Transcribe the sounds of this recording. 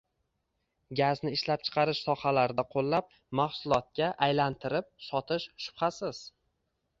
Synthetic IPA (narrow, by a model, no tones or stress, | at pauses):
ɡʲaznɪɪʃlap̚t͡ʃʰɨ̥qʰɑɾɪʃsɒhalaɾɪd̪aqʰolˠːap̚ | maχsʊlˠɒt̪̚kʲaʔajlant̪ʰɪɾɪp̚sɒt̪ʰɪʃʃʊ̥pχasɪz̥